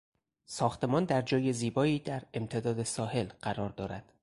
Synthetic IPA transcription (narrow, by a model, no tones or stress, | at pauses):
sɒːxt̪ʰe̞mɒːnd̪æɾd͡ʒɒːje̞ziːbɒːiːd̪æɾe̞mt̪ʰed̪ɒːd̪e̞sɒːhe̞lɢ̥æɾɒːɾd̪ɒːɾæ̰d̪̥